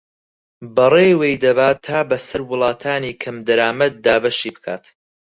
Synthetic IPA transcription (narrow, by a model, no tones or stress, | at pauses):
bɐreːwejd̪ɐbaːt̪ʰːaːbɐsɐɾwʊlˠɑːt̪ʰaːniːkʰɐmd̪ɐɾaːmɐd̪̚ːaːbɐʃiːbɨkʰaːt̪